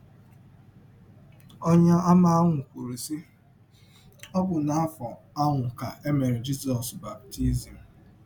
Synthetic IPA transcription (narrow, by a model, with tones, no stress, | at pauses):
ɔ˦ɲa˦a˦ma˦˨a˦ŋʷʊ˨kʷu˨ɾu˨si˦ | ɔ˦bʊ˨na˨a˦fɔ˨ | a˦ŋʷʊ˨ka˨e˦me˨ɾe˨d͡ʒi˦sɔ˨sba˨p̚ti˦zi˨m̩˨